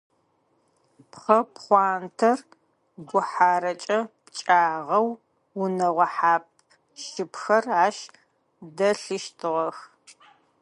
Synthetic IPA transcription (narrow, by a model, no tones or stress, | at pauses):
pχɐpχʷɑːntʰɐr | ɡʷʊħaːɾɐt͡ʃʼɐpt͡ʃʼaːʁɐw | wʊnɐʁʷɐħaːp̚ʰ | ʃɪpxɐraːʃ | dɐɬɨʃtʰɨʁɐx